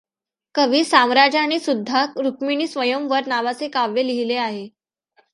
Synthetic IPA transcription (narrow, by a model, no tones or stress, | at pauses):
kəʋiːsamɾad͡ʑaɽ̃isud̪ʱːakɾukmiɳiːsʋəjəmʋəɾnaʋat͡sekaʋːeliɦileaɦe